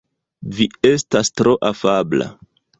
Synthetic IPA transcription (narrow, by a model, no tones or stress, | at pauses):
vie̞stastɾo̞ʔafabla̰